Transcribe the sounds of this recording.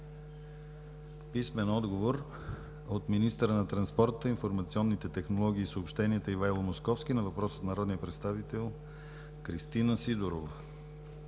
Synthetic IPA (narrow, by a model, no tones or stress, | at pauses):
pismɛnɔd̪ɡovoɾ | ot̪minist̪əɾənɐt̪ɾɐnspɔɾt̪əinfoɾmɐt̪siɔnːit̪ɛt̪ɛxnolˠɔɡ̟ʲiːsoopʃt̪ɛniɛt̪əivajlˠomoskɔfsk̟inɐvɐpɾɔsət̪nɐɾɔd̪nijəpɾɛt̪st̪avit̪ɛlˠ | kɾist̪inəsid̪oɾovə